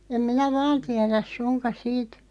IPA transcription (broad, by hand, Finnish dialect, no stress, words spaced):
em minæ ʋɑːn tiæræs̆ sunkɑs̆ siːt